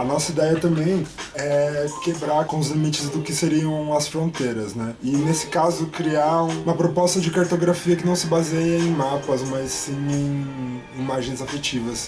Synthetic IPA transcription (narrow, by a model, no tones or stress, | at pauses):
ɐnɔsɐid̪ɛjɐt̪ɐ̃mbẽj̃ɛkebɾaɾkõʊzlimit͡ʃɪzd̪ʊkɪseɾiɐ̃w̃ɐsfɾõnt̪eɾɐznɛɪnesɪ̥kazʊkɾiaũmɐpɾopɔst̪ɐd͡ʒɪkaɾt̪oɡɾafiɐkɪnɐ̃w̃sɪbazejɐẽj̃mapɐzmɐzĩẽj̃ | imaʒẽj̃zafet͡ʃivɐs